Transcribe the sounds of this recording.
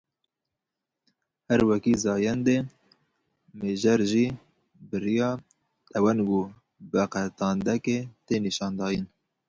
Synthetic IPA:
hæɾwɛkiːzɑːjɛnd̪e | meːʒɛɾʒiː | bɨɾijɑː | t̪ɛwɛnɡuː | bɛqɛt̪ɑːnd̪ɛket̪eːniʃɑːnd̪ɑːjin

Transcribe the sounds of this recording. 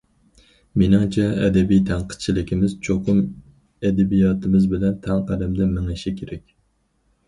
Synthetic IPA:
minɑŋt͡ʃʰɛɛd̪ɛbijt̪ʰæŋqʰə̥t̪̚t͡ʃʰilɪkʲimɪzt͡ʃʰoqʰʊm | ɛd̪ɛbijɑːt̪ʰɨmɪzbɪlɛnt̪ʰɛŋqʰæd̪ɛmd̪ɛmɪŋɪʃikʲʰeɾɛkʲ

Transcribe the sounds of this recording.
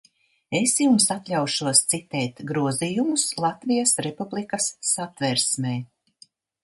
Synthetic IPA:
esjumsat̪lʲawʃuɔst̪sit̪ɛːt̪ɡɾuɔzijumuslˠat̪vijasɾepublikasːat̪vɛɾsmɛːj

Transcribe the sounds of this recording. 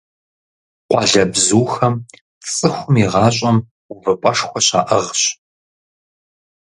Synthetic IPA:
qʷɑɮɐbzuːxɐm | t͡sʼɨxʷʊmiʁɑːɕʼɐm | ʊvɐpʼɐʂxʷɔɕa̰ːʔɐʁɕ

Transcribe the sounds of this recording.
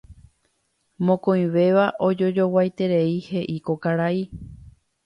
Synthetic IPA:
mõkõĩʋe̞ʋaʔo̞d͡ʒo̞d͡ʒo̞wajt̪e̞ɾe̞ihe̞ʔiko̞kaɾai

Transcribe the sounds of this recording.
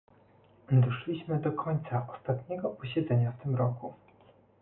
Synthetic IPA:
d̪ɔʂlʲiɕmɘd̪ɔkʰɔɲt̪saʔɔst̪at̪ɲɛɡɔpɔɕɛd̪zɛɲaft̪ɘmɾɔku

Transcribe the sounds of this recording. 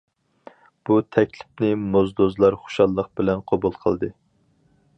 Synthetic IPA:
b̥ut̪ʰɛkʲlɪpnɪmozd̪ozlˠɑɾχo̥ʃɑlˠːəq̚bɪlɛnqʰobulˠqʰəlˠd̪ɨ

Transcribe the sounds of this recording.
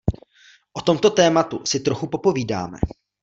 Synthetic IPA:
ʔo̞t̪o̞mt̪o̞t̪ɛːmat̪usɪt̪ɾo̞xupo̞po̞viːda̰ːmɛ̰

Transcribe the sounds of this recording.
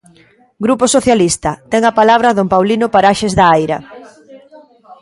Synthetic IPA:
ɡɾuposoθjalist̪ɐt̪ɛŋɐpalaβ̞ɾaðompawlinʊpaɾaʃezðɐajɾɐ̰

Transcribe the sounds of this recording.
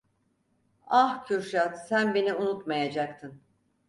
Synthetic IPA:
ahcʰyɾʃat̪sænbe̞niunut̪majad͡ʒakt̪ʰɯn

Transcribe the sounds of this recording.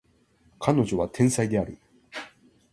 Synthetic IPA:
kʰano̞ʑo̞βat̪ʰẽ̞ɰ̃said̪e̞aɾɯ̟

